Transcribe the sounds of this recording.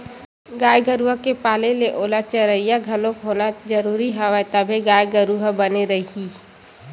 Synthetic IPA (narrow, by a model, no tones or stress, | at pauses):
ɡaːjɡəɾuɦəkepaːleleʔoːlat͡ʃəɾəijaɡʱɐlõkɦoːnad͡ʒəɾuːɾiɦɛʋɛt̪əbʱeɡaːjɡəɾuɦəbəneɾəɦii